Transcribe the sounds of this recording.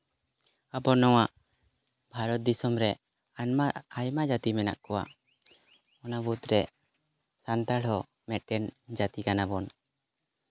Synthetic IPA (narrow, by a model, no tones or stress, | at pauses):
abɔnɔwaʔ | bʱaɾɔt̪̚d̪isɔmɾɛ | aaajmad͡ʒat̪imɛna̰ʔkɔwa̰ | ɔnabut̪ɾɛ | sant̪aɽɦɔ | mɛt̪̚ʈɛnd͡ʒat̪ikanabɔn